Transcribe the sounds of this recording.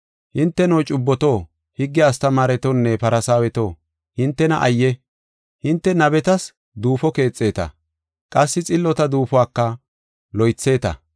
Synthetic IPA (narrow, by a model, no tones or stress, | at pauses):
hɪnt̪ːɛnɔwt͡ʃʼʊbːɔt̪o̞ː | hɪɡːɛɐst̪ɐmaːɾɛt̪ɔnːɛpɐɾɐsaːwɛt̪o̞ː | hɪnt̪ːɛnɐʔɐjːɛ | hɪnt̪ːɛnɐbɛt̪ɐs | d̪uːfɔke̞ːt͡sʼːe̞ːt̪ɐ̰ | kʼɐsːɪt͡sʼɪlːɔt̪ɐd̪uːfʊwaːkːɐ | lɔjt͡sːe̞ːt̪ɐ̰